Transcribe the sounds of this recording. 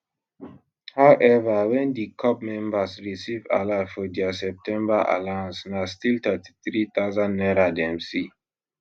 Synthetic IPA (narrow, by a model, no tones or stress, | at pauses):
hawʔɛvawɛ̃ndikʰɔp̚mɛ̃mbasɹisiva̰lafɔdiasɛp̚tɛ̃mbaʔa̰lãnsnastilt̪ɛti̥θɹit̪aʊzãnːɛɾadɛ̃msi